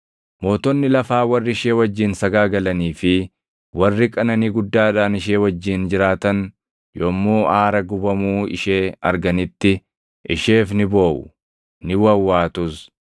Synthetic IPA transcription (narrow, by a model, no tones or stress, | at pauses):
mo̞ːt̪ɔnːɪlɐfaːwɐrːɪɪʃeːwɐd͡ʒːɪnsɐɡaːɡɐlɐniːfɪ | wɐrːɪkʼɐnɐniːɡʊd̪ːaːᶑaːnɪʃ̬eːwɐd͡ʒːɪnd͡ʒɪɾaːt̪ɐn | jomːoːʔaːɾɐɡʊbɐmuːɪ̰ʃeːɐ̰ɾɡɐnɪt̪ːɪ | ʔɪ̰ʃe̞ːfnɪbo̞ːʔʊ̰ | nɪwɐwːaːt̪ʊs